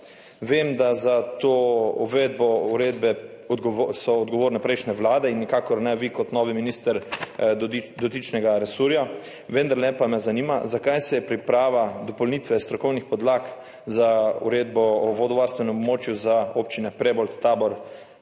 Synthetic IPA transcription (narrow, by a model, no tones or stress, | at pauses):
ʋeːmd̪azat̪oːɔʋed̪̚bɔuɾeːd̪bɛ | ɡsɔːd̪ɡɔʋoːɾnɛpɾɛjʃnɛʋlaːd̪ɛinːikaːkɔɾnɛʋikɔt̪nɔːʋiminist̪ɛɾ | d̪ɔt̪it͡ʃnɛɡaɾɛsuɾja | ʋənd̪aɾlɛpamɛzaniːma̰zakajsɛjɛpɾipɾaːʋad̪ɔpɔlniːt̪ʋɛst̪ɾɔkɔwnixpɔd̪lak | zaṵɾeːd̪bɔːʋɔd̪ɔʋaːɾst̪ʋɛnɛmɔbmoːt͡ʃjuzaoːp̚t͡ʃinɛpɾɛbɔlt̪aːbɔɾ